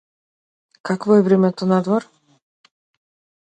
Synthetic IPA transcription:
kakvɔɛvɾɛmɛt̪ɔnad̪vɔɾ

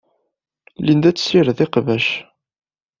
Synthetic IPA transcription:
lind̪æt͡sːsiɾðɪqvæʃ

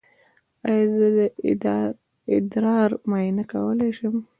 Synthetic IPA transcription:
ajzəd̪ə | ɪd̪ɾɑɾmɑnaka̰wəlajʃəm

